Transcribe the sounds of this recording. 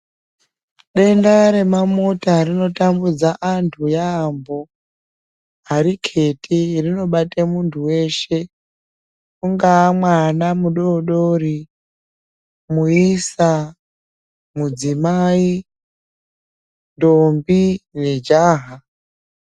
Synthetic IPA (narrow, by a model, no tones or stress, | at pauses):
ɗe̞ndaɾe̞mamutarino̞tambud͡zaʔantʰujaːmbo̞ | aɾikʰe̞tirino̞ɓatemuntʰuwe̞ʃe̞ | kuŋɡaːmwanamuɗo̞ɗoɾi | muisa | mud͡zimaːi | ndombine̞d͡ʒaːɦa